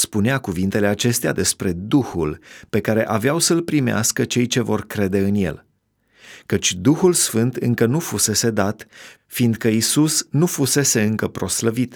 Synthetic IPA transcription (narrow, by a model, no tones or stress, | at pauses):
spuneakuvint̪e̞le̞at͡ʃe̞st̪ea̰d̪e̞spɾe̞d̪uhulpe̞kaɾe̞ʔaveawsəlpɾimea̰skət͡ʃe̞jt͡ʃe̞vo̞rkɾe̞d̪e̞ɨnje̞̰l | kət͡ʃʲd̪uxulsfɨnt̪ɨŋkənufuse̞se̞d̪at̪ | find̪̚kəisusnufuse̞se̞ɨŋkəpɾo̞sləvit̪